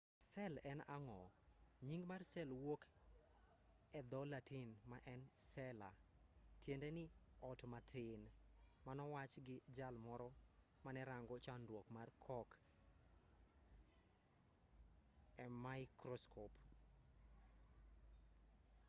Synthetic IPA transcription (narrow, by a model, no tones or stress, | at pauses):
sɛlɛnaŋɔɲiŋɡmarsɛlwok | ɛd̪ɔlatinmaʔɛnsɛla̰tjendenɪɔtmatʰɪnmanɔwat͡ʃɡɪd͡ʒalmɔɾɔ | manɛɾaŋɡɔt͡ʃandwokmarkʰɔk | ɛmaɪkɾɔskʰɔp